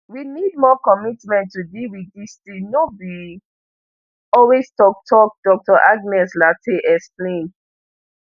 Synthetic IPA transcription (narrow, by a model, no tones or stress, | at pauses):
winid̚mɔkɔmitmɛ̃ntːudilwiθistĩnobi | ɔlwestɔk̚tʰɔk̚d̥ɔk̚tɔʔaɡnɛslatʰeʔɛksplẽn